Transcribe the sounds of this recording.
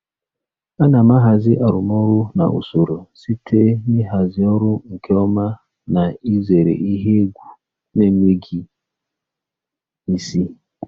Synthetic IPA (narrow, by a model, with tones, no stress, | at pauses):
a˦na˨ma˦ɦa˨zɪ˦ʔa˨ɾʊ˨mɔ˦ɾʊ˦na̰˨ʔṵ˨so˨ɾo˨si˦tʰe˦ni˦ɦa˨zɪ˦ɔ˦ɾʊ˦ŋ̩˨kʰe˦ɔ˦ma˦ | na˨i˦ze˨ɾḛ˨ʔi˦ɦe˦ɡʷu˨ | ne˦ŋʷe˦ɡi˦ | i˦si˦